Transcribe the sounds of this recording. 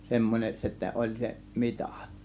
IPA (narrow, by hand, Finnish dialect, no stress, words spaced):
semːonʲeʔ sitːæ olʲ se mitɑ̥ˑt